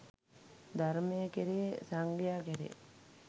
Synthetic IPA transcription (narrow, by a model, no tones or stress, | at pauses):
d̪aɾmejəkeɾisaŋɡijaːkeɾḭ